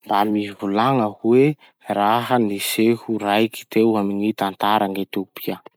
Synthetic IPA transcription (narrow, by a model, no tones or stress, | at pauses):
mbamivulaŋəkwe | ɾaɦənisehuɾajki̥t̪ewaminit̪ant̪aɾaŋet̪eupia